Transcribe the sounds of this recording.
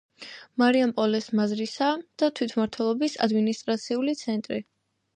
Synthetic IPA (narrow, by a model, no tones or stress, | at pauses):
maɾiampʼɔlɛsmazɾisad̪̥at̪ʰwit̪ʰmaɾt̪ʰwɛlˠɔbisa̰d̪minist̪ʼɾat̪sʰiulit̪sʰɛnt̪ʼɾḭ